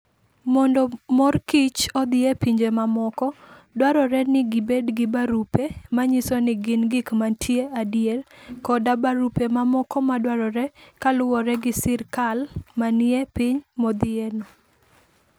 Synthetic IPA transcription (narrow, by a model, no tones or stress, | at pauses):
mɔndɔmɔrkit͡ʃɔd̪ɪepiɲd͡ʒemamɔkɔdwaɾɔɾɛnɪɡɪbedɡɪbaɾupemaɲisɔnɪɡɪnɡɪkmatʰjeadjelkɔdabaɾupemamɔkɔmadwaɾɔɾɛkalʊwɔɾɛɡɪsɪɾkalmaniepɪɲmɔd̪ɪenɔ